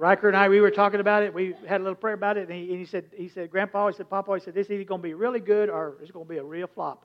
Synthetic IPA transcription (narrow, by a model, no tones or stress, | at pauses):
ɹaɪt̚kə˞naɪwiwə˞tʰɔkɪ̃ŋɨbaʊɾɨt̚wiɨɾəlɪɾl̩ˠpʰɹ̥ɛɹəbaʊɾɨtn̩iɨ̃nisɛd̚hisɛd̚ɡɹæ̃npɑisɛd̚pʰɑpɑhisɛd̪̚ðɪsizɡõʊnəbiɹɪlˠiɡʊɾə˞ɨtsɡ̥õʊnəbiəɹilˠflɑ̰p̚